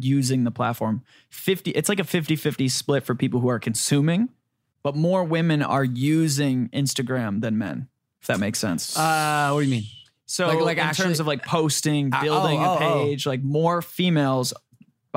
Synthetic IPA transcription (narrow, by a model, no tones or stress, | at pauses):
jʉzɪ̃ŋðəpʰl̥ætfɔɹm | fɪftiʔɨtslaɪkɨfɪftifɪftisplɪtfə˞pʰipl̩ˠhuə˞kʰɨ̃n̩sʉ̃mɪ̃ŋ | b̥ʌt̚mɔɹwɪ̃mɨ̃nə̰˞jʉzɪ̃ŋɪ̰̃nstɨɡɹæ̃mðɨ̃nmɛ̰̃n | ðɨt̚meɪksɛ̰̃nsʌwʌtdɨjɨmĩn | soʊalaɪkntʰɜ̃˞mzʌvlaɪk̚pʰoʊstɪ̃ŋɪlˠdɪ̃ŋɨpʰeɪd͡ʒlaɪk̚mɔɹfimeɪlˠz̥